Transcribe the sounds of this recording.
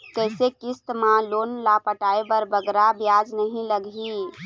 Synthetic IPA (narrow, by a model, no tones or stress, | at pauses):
kəɪsekist̪mãlonlapəʈaebəɾbəɡɾabjad͡ʒnəɦĩləɡi